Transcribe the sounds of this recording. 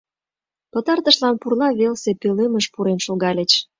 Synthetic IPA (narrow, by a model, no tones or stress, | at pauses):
pət̪ərt̪əʃlɑnpurlɑβelsepeleməʃpuɾenʃoɣɑlʲet͡ɕ